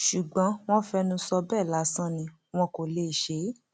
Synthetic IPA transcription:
ʃu˨ɡ͡bɔ̃˨˦w̃ɔ̃˦fɛ˧nũ˧sɔ˧bɛː˦˨la˨˦sã˦nĩ˧ | w̃ɔ̃˧ko˨le˦˨ʃe˨˦

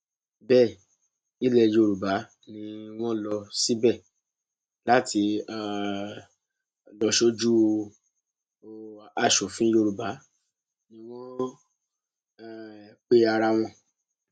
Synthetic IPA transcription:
bɛ˦˨ | i˦lɛ˦˧˨jo˧ɾu˨ba˨˦ | nĩ˧w̃ɔ̃˦lɔ˧si˦bɛ˦˨ | la˦tʰi˧a˨ | lɔ˧ʃo˦d͡ʒu˦˨ | a˨ʃo˨fĩ˦jo˧ɾu˨ba˨˦ | nĩ˧w̃ɔ̃˦˨ | k͡pe˦a˧ɾa˧w̃ɔ̃˧

